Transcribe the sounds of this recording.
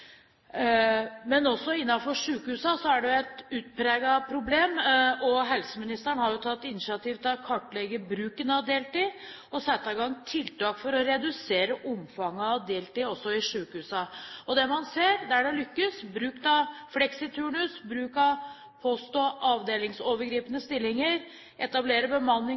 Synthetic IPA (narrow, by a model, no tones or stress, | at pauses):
mɛnɔsːɔɪnːɑfɔʂʉːkhʉːsɑsɔæɖɛjʊɛt̪ʉːt̪̚pʰɾeːɡɑpʰɾʊbleːmɔɦɛlsəmɪnɪst̪əɳhɑɾjʊt̪ʰɑt̪ːɪnɪʃɪɑt̪iːʋt̪ʰkʰɑʈːlɛɡəbɾʉːkənəɑʋd̪eːlt̪iː | ɔsɛt̪ːɑɪɡɑŋːt̪ʰɪlt̪ɑːkfɔɾɔɾɛd̪ʉseːɾəʔʊmfɑŋːəɑʋd̪eːlt̪iːɔsːɔɪʂʉːkhʉːsɑɔd̪ɛmɑnseːɾd̪ɛæɖɛlʏkːəsbɾʉːkt̪ɑflɛksɪt̪ʰʉːɳʉsbɾʉːkɑ | pʰost̪ɔːʔɑːʋd̪eːlɪŋsoːʋəɾɡɾiːpənəst̪ɪlːɪŋəɾ | ʔɛt̪ɑbleːɾəbəmɑnːɪ